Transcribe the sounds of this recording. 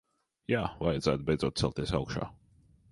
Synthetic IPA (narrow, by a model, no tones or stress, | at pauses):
jaːvajad̪zæːt̪̚bɛjd̪zoɔt̪̚sɛ̰lˠt̪isaʊkʃa̰ː